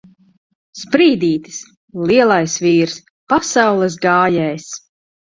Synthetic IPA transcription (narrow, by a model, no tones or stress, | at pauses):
spɾiːd̪iːt̪i̥s | lˠiɛlˠajsviːɾs | pasawlˠɛs̬ɡaːjɛjs